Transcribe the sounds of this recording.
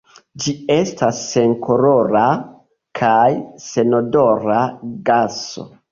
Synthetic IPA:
d͡ʒie̞stasːe̞nkʰo̞ɾo̞ɾa | kʰajse̞no̞do̞ɾaɡaso̞̰

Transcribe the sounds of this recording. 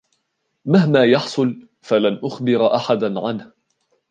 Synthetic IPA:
maɦmaːjɑħsˤʊl | falanʔʊxbɪɾʔaħad̪anʕanh

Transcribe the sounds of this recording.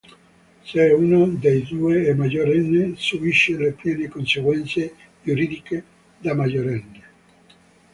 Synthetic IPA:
seunod̪ejd̪uːeːmad͡ʒoɾɛnːesubiʃːelepljɛːnekonseɡwɛnt̪se | d͡ʒuɾiːd̪ike | d̪amad͡ʒoɾɛnːe

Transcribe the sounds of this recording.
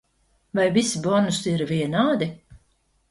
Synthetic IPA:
vajvisibɔnusiɾvʲiɛnaːd̪i

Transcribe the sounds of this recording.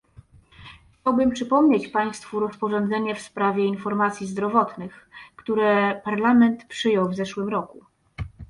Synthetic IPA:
xt͡ɕawbɘmpʂɘpɔmɲet͡ɕpaj̃st̪fuɾɔspɔʐɔnd̪zɛɲɛfspɾavʲjɛinfɔɾmat̪sʲjizd̪ɾɔvɔt̪nɘxkt̪uɾɛpaɾlamɛnt̪pʂɘjɔwvzɛʂwɘmɾɔku

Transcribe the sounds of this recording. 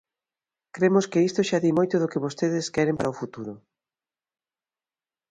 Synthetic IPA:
kɾemoskeist̪oʃaðimojt̪ʊðokeβost̪eðɪskɛɾempaɾaofut̪uɾʊ

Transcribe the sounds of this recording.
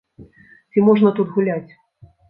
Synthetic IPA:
t͡sʲimɔʐnɐt̪ut̪ɣulʲat͡sʲ

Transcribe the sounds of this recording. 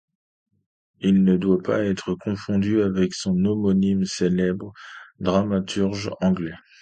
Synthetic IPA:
ilnəd̪wapa̰ɛt̪χəkɔ̃fɔ̃d̪yavɛksɔ̃nomɔnimselɛbʁd̪ʁamat̪ʰyʁʒɑ̃ɡlɛ

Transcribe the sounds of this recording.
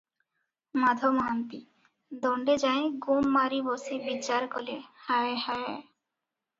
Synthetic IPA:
mad̪ʱomɦant̪i | d̪ɔɳɖed͡ʑaeɡumːaɾibosibit͡ɕːaɾkolehaehae

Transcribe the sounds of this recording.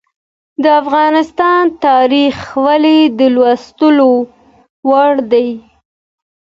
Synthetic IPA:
d̪əafɣɑnɪst̪ɑnt̪ɑɾixwaled̪əlwast̪əlo | waɽd̪aj

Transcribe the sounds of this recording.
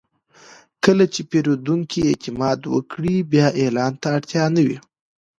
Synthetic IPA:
kəlat͡ʃepeɾod̪uŋkiet̪ɪmɑd̪wə̰kɽibjɑʔelɑnt̪aːɽt̪jɑnawi

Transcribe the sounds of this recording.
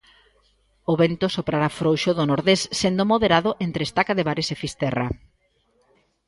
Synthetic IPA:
oβent̪osopɾaɾafɾowʃoðonoɾðesːend̪omoðeɾaðʊʔent̪ɾeːst̪akaðeβaɾesefist̪ɛra̰

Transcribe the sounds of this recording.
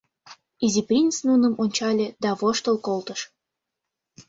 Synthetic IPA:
izʲiprʲint͡snunə̆monʲt͡ɕɑlʲed̪ɑβoʃt̪əlˠkolt̪əʃ

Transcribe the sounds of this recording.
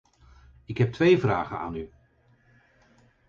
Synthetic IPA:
ɪkɦɛp̚tʋejvraːχəna̰ːny

